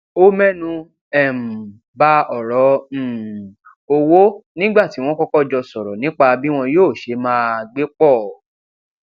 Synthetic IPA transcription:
o˦mɛ̃˦nũ˧ | ɛ˨m̩˨ | ba˦ɔ˨ɾɔ˨˦˨ | o˧wo˦nĩ˦ɡ͡ba˦˨ti˨˦w̃ɔ̃˦kɔ˦kɔ˦d͡ʒɔ˧sɔ˨ɾɔ˨nĩ˨˦k͡pa˧bi˦w̃ɔ̃˧joː˦˨ʃe˨˦mãː˦ɡ͡be˦k͡pɔ˦˨

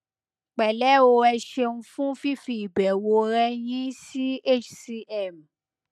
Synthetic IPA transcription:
k͡pɛ˨lɛ˨˦o˧ɛ˧ʃe˧nũ˧fũ˦fi˦fi˧i˨bɛ˨wo˧ɾɛ˦j̃ĩ˦si˦e˦˨t͡ʃsi˧ɛ˦˨m˨

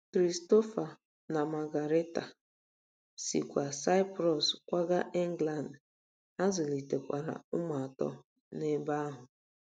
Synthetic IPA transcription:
kɾi˨sto˦fa˨ | na˨ma˨ɡa˨ɾe˦ta˨ | sḭ˨kʷa˨sa˦jpɾɔ˨skʷa˦ɡa˦ʔe˦ŋ˦ɡla˨nd | a˦zʊ˨li˨te˨kʷa̰˨ɾa̰˨ʊ˦ma˨a˨tɔ̰˦ | ne˦ba˦a˦ɦʊ˨

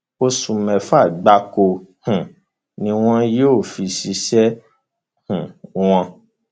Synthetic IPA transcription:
o˧sũ˧mɛ̃˨fa˦˨ɡ͡ba˧ko˧hũ˨ | nĩ˧w̃ɔ̃˦joː˦˨fi˧si˧ʃɛ˦ | hũ˨w̃ɔ̃˧

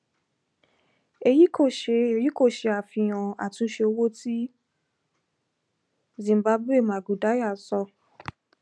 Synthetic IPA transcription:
e˧ji˦ko˦˨ʃe˧ji˦ko˦˨ʃe˧˦a˨fĩ˧˨j̃ã˨a̰˨tũ˧˦ʃe˧o˧wo˦ti˦ | zĩ˨m˨ba˧˦bu˦e˦˨mã˨ɡu˨da˨˦ja˦˨sɔ˧

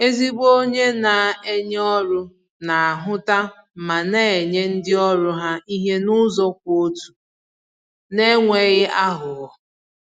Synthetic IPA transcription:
e˦zi˦ɡ͡bo˦ɲe˦na˨e˦ɲ˦ɔ˦ɾʊ˦ | na˨a˨ɦʊ˦ta˦ | ma˨ne˦˨e˨ɲe˦n̩˦dɪ˦ɔ˦ɾʊ˦ɦa˦i˦ɦe˦nʊ˦zɔ˦kʷo˦tu̥˨ | ne˦ŋʷe˨ɣɪ˦ʔa˦ɦʊ˨ɔ˨

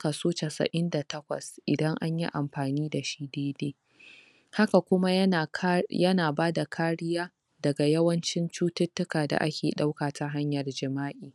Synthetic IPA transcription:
ka˨soː˦t͡ʃa˨sɐ̰˨ʔɪ˦nda˨tɐ˦kʷɐ̰˨sʔɪ˨dɐ˦ŋʔa̰˦ɲjḭ˦ʔa˨mɸaː˨niː˦da˨ʃiː˦deː˦deː˦ | ha˦ka˨kʷʊ˦ma˦˨jɐ˦naː˨baː˦da˨kʰaː˦ɽɪ˦jaː˦ | dɐ˨ɡa˨jɐ˦wɐ˦nt͡ʃɪ˦nt͡ʃuː˦tɪ˦tːʊ˦kaː˨da̰˨ʔa̰˦kʲeː˨ɗa˦wkaː˨ta˦ɦa˦ɲjɐ˨rd͡ʒɪ˨maː˦ʔiː˨

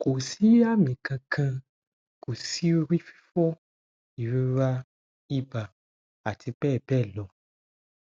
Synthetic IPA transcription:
ko˨si˦a˦mĩ˨kã˧kʰã˧ | ko˨si˦ɾi˦fi̥˦fɔ˦ | i˨ɾi˦ɾa˦ | i˦ba˨ | a˨tʰi˧bɛː˦˨bɛ˦˨lɔ˨

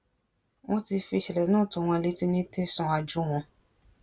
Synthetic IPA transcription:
w̃ɔ̃˦ti˧fi˧ʃɛ˨lɛ˨nũː˦˨tũ˧˦w̃ɔ̃˧e˧le˦ti˦nĩ˦te˦sɔ̃˧a˧d͡ʒu˦w̃ɔ̃˧

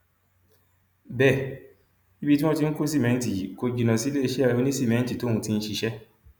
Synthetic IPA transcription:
bɛ˦˨ | i˦bi˦ti˦w̃ɔ̃˦ti˧n̩˦ku˦si˦˨mɛ̃˧˦n˦ti˨ko˧d͡ʒi˨nã˨si˨˦le˦e˧ʃe˦a˦˧˨o˧˦nĩ˦si˦˨mɛ̃˨˦n̩˦ti˨to˨˦ũ˧ti˦˧n̩˦ʃi˧ʃɛ˦

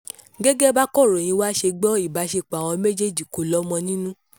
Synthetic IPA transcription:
ɡɛ˦ɡɛ˦ba˦kɔ˦˨ɾo˨j̃ĩ˧wa˦ʃe˧ɡ͡bɔ˦i˦˨ba˨˦ʃe˧k͡pa˨w̃ɔ̃˧me˦d͡ʒe˦˨d͡ʒi˨ko˨lɔ˦mɔ̃˧nĩ˦nũ˦

